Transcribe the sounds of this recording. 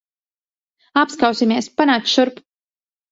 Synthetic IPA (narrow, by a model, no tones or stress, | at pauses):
apskawsimiɛspanaːkt̪ʃuɾp